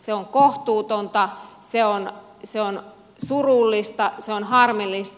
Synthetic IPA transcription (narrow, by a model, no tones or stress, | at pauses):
seoŋkoht̪uːt̪ont̪ɑseon | seon | surulːist̪ɑseonhɑrmilːist̪